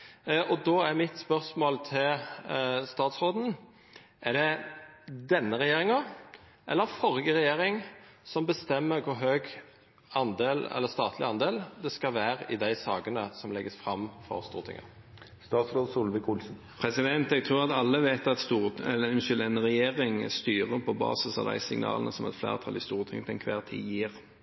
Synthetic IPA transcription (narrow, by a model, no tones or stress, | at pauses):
ʔɔd̪oːæʁmɪt̪spœɾsmoːlt̪ʰɪl | st̪ɑːt̪sɾoːd̪n̩ | ʔæd̪ɛ | d̪ɛnːəɾɛjeːɾɪŋɑ | ʔɛ̰lːəɾfɔɾɡəʁɛjeːɾɪŋsɔmbəst̪ɛmːəɾkʰʊɾɦøːɡ | ɑnd̪eːlɛ̰lːəɾst̪ɑːt̪ʰlɪɑnd̪eːld̪ɛskɑʋæːɾəɪd̪æɪsɑːɡənəsɔmlɛɡəsfɾɑmfɔ̰ɾst̪ṵːʁt̪ʰɪ̰ŋə̰ | st̪ɑːt̪sɾoːd̪suːlʋɪkʰʊlsn̩ | pʰɾɛsɪd̪ɛnt̪ɛɡ̚t̪ʰʁuːʁɑt̪ɑlːəʋeːt̪ɑt̪st̪uːʁɛləɛnʃʏld̪ɛnəʁɛjeːʁɪŋst̪yːʁəpʰɔbɑ̰ːsəsɑ̰ʋd̪æ̰ɪsɪ̰ŋnɑ̰ːlənəsɔmɛt̪flæ̰ːʁt̪ʰɑlɪst̪uːʁt̪ʰɪŋt̪ɛnkʰʋæːʁt̪ʰḭːjiːʁ